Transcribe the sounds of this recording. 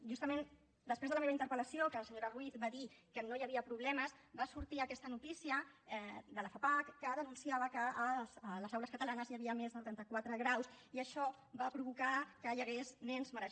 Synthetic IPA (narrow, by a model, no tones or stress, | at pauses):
ʒust̪əmen | d̪əspɾezðələmeβəint̪əɾpələsijokələsəɲoɾərwiθbaðikənojəβiəpɾuβlɛməsbasuɾt̪iəkɛst̪ənut̪isiə | d̪ələfapakːəðənunsiaβəkəːzləzawləskət̪əlanəzjəβiəmezðəuɾɛnt̪əkwat̪ɾəɣɾawsiəʃɔ | βapɾuβukakəjəɣeznɛnzməɾə